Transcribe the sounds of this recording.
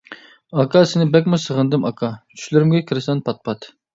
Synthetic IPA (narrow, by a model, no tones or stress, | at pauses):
ɑkʰɑsɪnɪbɛkʲmʊsəʁənd̪ɨmɑkʰɑt͡ʃʰy̥ʃlɪɾɪmɡʲɛkʲʰɪɾɪsɛnpʰɑt̪̚pʰɑt̪